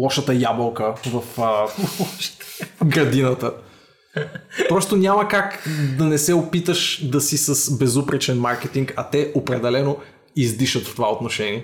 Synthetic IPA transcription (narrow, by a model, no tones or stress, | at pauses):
lˠɔʃət̪əjabəlˠkəvɐfəʃɡɾɐd̪inət̪ə | pɾɔst̪onʲaməkakd̪ɐnɛsɛopit̪əʃd̪ɐsisəsbɛzupɾɛt͡ʃɛnmaɾkɛt̪iŋkɐt̪ɛopɾɛd̪ɛlɛno | izd̪iʃət̪ft̪ovaot̪noʃɛniɛ